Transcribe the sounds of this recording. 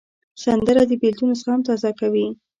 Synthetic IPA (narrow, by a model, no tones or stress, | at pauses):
sand̪əɾad̪əbeld̪unosəxahamt̪ɑzakawi